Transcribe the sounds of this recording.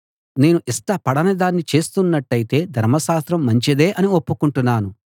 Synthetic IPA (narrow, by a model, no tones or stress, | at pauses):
ne̞ːnuʔisʈɐpɐɽɐnɐd̪aːnːit͡ʃe̞ːst̪unːɐʈːɐjit̪e̞ːd̪ʱɐɾmɐʃaːst̪ɾɐmːɐɲt͡ʃid̪eːʔɐnio̞pːukuɳʈunːaːnu